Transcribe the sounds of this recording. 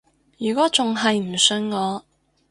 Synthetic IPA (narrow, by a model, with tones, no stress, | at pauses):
jyː˨˩kɔː˨˥t͡sʊ˨ŋɐ˨jm̩˨˩sɵ˧nŋɔː˨˧